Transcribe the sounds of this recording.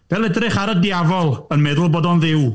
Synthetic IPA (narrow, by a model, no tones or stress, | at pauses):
d̥ɛlˠɛdrɪχaɾədiavɔlˠənmɛðəlˠboːdɔnðɪw